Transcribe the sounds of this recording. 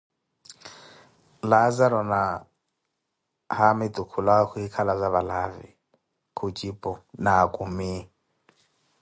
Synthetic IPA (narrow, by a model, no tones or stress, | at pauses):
lad͡zaɾɔna | hamɪtʼukʰulakuikʰalazaβalavḭ | kʰut͡ʃʼipʼɔnakʼumi